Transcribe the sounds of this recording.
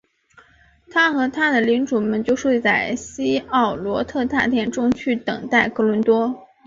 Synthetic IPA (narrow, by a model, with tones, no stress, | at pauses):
t̪ʰa˥xɤ˧˥t̪ʰa˥d̪ə˨li˧˥ŋʈ͡ʂu˨˩mə˧˥nt͡ɕjo˥˧ʊʂwe˥˧ɪt͡sa˥˩ɪɕi˥ɑ˥˩ʊlwɔ˧˥t̪ʰɤ˥˧t̪a̰˥˧t̪ʰjɛ˥˩nʈ͡ʂʊ˥ŋt͡ɕʰy˥˩t̪ɤ̰˨˩ŋt̪a˥˩ɪkɤ˧˥lwə˧˥nt̪wɔ˥